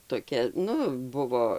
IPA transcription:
toːˈkʲɛ ˈnʊ ˈbʊʋoː

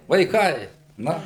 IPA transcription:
ʋɐɪˈkɐɪ nɐ

